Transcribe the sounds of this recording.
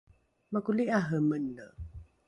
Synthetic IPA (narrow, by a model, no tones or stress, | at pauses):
məkuliʔaɦəmənːə